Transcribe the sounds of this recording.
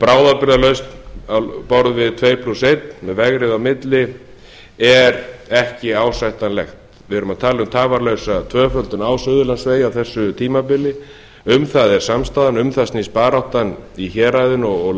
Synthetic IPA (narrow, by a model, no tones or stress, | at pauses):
pɾaːwðapɪɾðalœɥst̪nawpɔɾðvɪðt̪ʰveːjpʰlusejt̪mɛðvɛɣɾɪðawmɪt̪lɪ | ɛɾɛhcɪaːwsajht̪anlɛxt̪ | vɪɛɾʏmaðt̪ʰaːlɪʏmt̪ʰaːvaɾlœɥsat̪ʰvœːfœlt̪ʏnaːwsœðʏlansveːjawθɛsːʏt̪ʰiːmapɪlɪ | ʏmθaðɛɾ̥samst̪aːðanʏmθastnispaːɾawht̪aniçɛːɾajðʏnɔɣ